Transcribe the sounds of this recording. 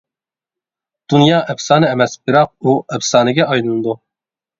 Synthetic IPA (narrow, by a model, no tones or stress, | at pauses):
d̪̥unjɑːʔɛbsɑːnɨɛmɛsbɨɾɑq̚uɛbsɑːnɨɡʲɛɑjlˠɨnɨd̪u